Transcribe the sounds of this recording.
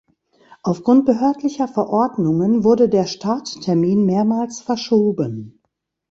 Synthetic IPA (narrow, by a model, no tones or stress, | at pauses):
ʔaʊfɡ̥ʁʊnt̚b̥əɦøɐtlɪçɐfɛɐʔɔɐdnʊŋənvʊɐdədeːɐʃtʰaːttʰɛɐmiːnmeːɐmaːlsfɛɐʃoːbən